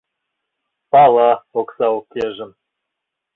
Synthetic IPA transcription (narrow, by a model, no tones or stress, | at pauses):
pɑlˠɑoksɑokʲːeʒɘ̆m